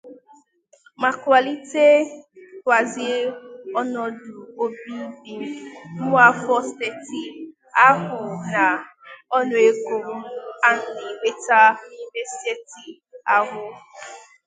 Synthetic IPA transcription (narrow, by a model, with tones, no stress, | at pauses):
ma˨ka˨li˦te˦kʷa˨zɪ˦ɔ˦nɔ˦dʊ˨o˦bi˦bi˦nʊ˦a˦fɔ˦ste˨ti˨ | a˦ɦʊ˨na˨ɔ˦nʊ˨e˦ɡo˨m̩˦a˦n̩˨ni˨ɡ͡be˦ta˦ni˦me˦se˦ti˨ | a˦ɦʊ˦